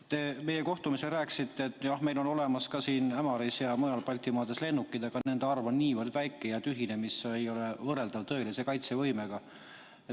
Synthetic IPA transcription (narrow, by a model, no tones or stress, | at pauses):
t̪e̞ːme̞jeko̞ht̪umise̞lræːkˑsit̪ːeːt̪ːˑjɑhme̞jlo̞no̞le̞mɑskɑsiːnæmɑɾisjɑmojɑlpɑlʲt̪ːˑimɑːd̪̥esle̞nːukːˑid̪̥ɑɡ̥ɑnne̞nd̪eɑrvɑnniːvərd̪væjkːˑejɑt̪yɦine̞misejo̞le̞vɤrːe̞ld̪ɑvt̪ɤ̞elise̞kɑjt̪sevɤjme̞ɡ̥ɑ | e